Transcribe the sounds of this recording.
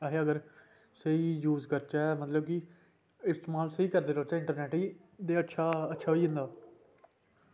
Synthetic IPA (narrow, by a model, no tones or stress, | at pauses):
aɦeːəɡəɾ | seiːjuːzkəɾt͡ʃaːmət̪ləb̚kɪ | ɪsʈmaːlsiːkəɾd̪eːloːt͡ʃaɪ̃ɳʈəɾnɛːʈiː | d̪eːətːʃʰaːətːʃʰaːɦoːiːɦɪ̃nd̪aː